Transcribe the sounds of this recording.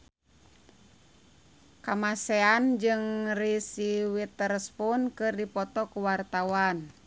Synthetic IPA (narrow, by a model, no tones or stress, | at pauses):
kamasɛand͡ʒɨŋrisiwit̪ərspunkɨrdipɔt̪ɔkuwart̪awan